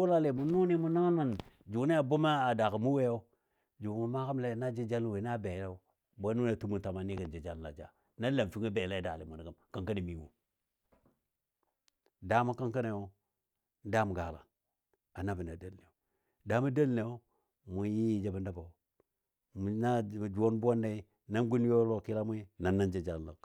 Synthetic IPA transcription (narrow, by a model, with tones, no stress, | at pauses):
u˦la˦le˨mu˨nu˦ni˦mu˦na˦nma˨nd͡ʒu˨˦ne˦a˨bu˦ma˦a˨da˨ka˨mu˦we˦o˦ | d͡ʒu˨mu˨ma˦ka˦m˦le˦˨na˦d͡ʒi˦d͡ʒa˦lwe˨˦na˦be˨˦la˦ | bo˦nu˦ne˦˨tu˦mu˨nta˨ma˨ni˦ka˨nd͡ʒi˨d͡ʒa˦lla̰˨d͡ʒa̰˨ | na˦la˨m˨fi˦ŋa˦be˨la˦˨˦da˨le˨mu˨na˨ɡa˦mka˨ŋka˦ni˨mi˨wṵ˨ | da˦ma˦ka˦ŋka˦ne˨wo˦ | da˦mu˨ɡa˨la̰˨ | a˨na˦bi˨na˨da˦˨lne˨o˨ | da˦ma˦da˦lne˨wo˦ | mu˨ji˦ji˨d͡ʒa˨ba˦nda˦ba˨ | m˨na˦˨d͡ʒu˨wo˦nbʷo˦nda˦i˦ | na˦nɡu˦n˦jo˦lo˨ki˦la˦mu˦i˦na˨nːa˦nd͡ʒe˨d͡ʒa˨llo˨